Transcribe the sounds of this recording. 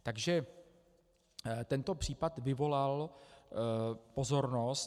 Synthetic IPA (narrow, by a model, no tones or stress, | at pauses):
t̪aɡʒɛ | t̪ɛnt̪o̞pr̥iːpat̪vɪvo̞lal | po̞zo̞ɾnos